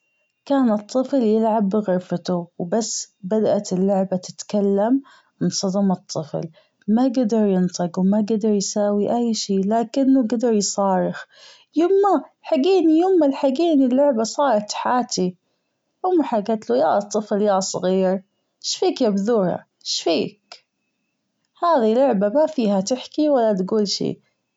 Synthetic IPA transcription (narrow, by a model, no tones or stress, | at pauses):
kaːnɨt̪ˤːɨfljɪlʕabːɣʊɾfat̪uwbasːbad̪aʔat̪ɪlːʊʕbat̪ɪ̥t̪kalːam | mɪnsˤɑd̪ɑmɨt̪ˤːɨfl | maɡad̪ɑɾˤjɪnt̪ˤɨqwmaɡad̪ɑɾˤjsaːwiʔajːʃiːlaːkɪnːʊɡad̪ɑɾˤjsˤɑːɾɪx | jʊmːaħaɡiːnijʊmːalħaɡiːnilːʊʕbasˤɑːɾˤɑt̪ħaːt̪i | ʔʊmːaħaɡat̪lujaːʔt̪ˤːɨfljaːsˤɣiːɾ | ʃfiːkjabðuːɾha̰ | ʃfiːk | haːðilːʊʕbamafiːhat̪ɪħkiwalːat̪ɡuːlʃḭː